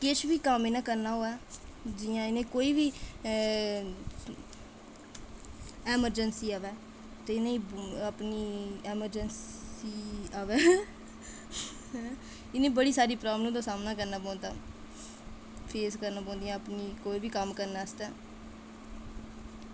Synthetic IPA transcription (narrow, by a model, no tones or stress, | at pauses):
kɪt͡ʃʰʋiːkəmeːnãːkəɾnaːɦoːɛːd͡ʒɪjãːɪnẽːkoːiːʋiː | ɛːməɾd͡ʒənsiːaːʋɛː | t̪eːɪnẽːĩːəpniːɛːməɾd͡ʒənsiːaːʋɛː | ɦɛ | ɪnẽːbəɽiːsaːɾiːpɾaːbl̃ːd̪ãːsaːmnãːkəɾnaːbõːnd̪a̰ː | pʰeːskəɾnaːpõːnd̪ijãːəpniːkoːiːbiːkəmkəɾnaːəst̪ɛː